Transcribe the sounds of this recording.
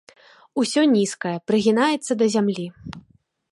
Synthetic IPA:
usʲɔnʲiskɐjɐpɾɨɣʲinajɛt̪sːɐd̪ɐzʲamlʲi

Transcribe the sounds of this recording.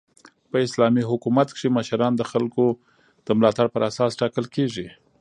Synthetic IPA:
pəɪslɑmiɦʊkumat̪kʂiməʃaɾɑnd̪əxalko | d̪̥əmlɑt̪aɽpəɾasɑsʈɑkəlkeʐi

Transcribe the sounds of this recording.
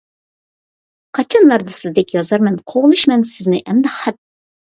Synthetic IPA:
qʰɑt͡ʃʰɑnlˠɑɾd̪ɑsɪzd̪ɛkʲjɑzɑɾmɛnqʰoʁlˠɨʃmɛnsɪznɪʔɛmd̪ɑqhɛp̪̚

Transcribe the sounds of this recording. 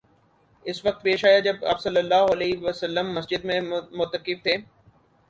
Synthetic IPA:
ɪsʋɐk̚t̪peːʃaːjad͡ʒɐbɐ̰bsɐlːəlːaːɦɐleːʋəsəlːəmːɐsd͡ʒɪd̪mẽmʊt̪əkɪft̪ʰeː

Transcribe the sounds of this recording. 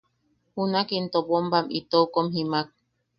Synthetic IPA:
hunakint̪opombamit̪oukomhimak̚

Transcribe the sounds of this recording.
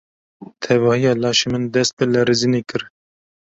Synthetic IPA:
t̪ʰɛvɑːhijɑːlɑːʃemɨnd̪ɛst̪̚bɨlɛɾizinekɨɾ

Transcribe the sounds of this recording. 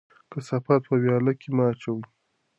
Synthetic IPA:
kəsafat̪̚pəwjɑlakemaːt͡ʃawi

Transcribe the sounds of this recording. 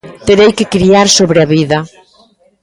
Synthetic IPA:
t̪eɾejkekɾiaɾsoβɾeaβiðɐ

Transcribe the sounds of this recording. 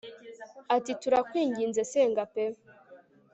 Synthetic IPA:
atituɾakwiːŋɡiːnzeseːŋɡape

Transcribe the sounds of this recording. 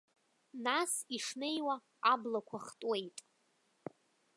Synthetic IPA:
nasiʂne̞jwa | ablakʷʰaχtʼwe̞jtʼ

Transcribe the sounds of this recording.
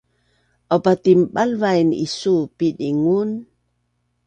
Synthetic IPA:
ʔopat̪imbalvajnḭsupidiŋun

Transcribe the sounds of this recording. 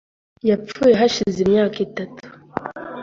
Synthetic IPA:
jap͡fuːje̞ɦaʃizimɲaːkitatu̥

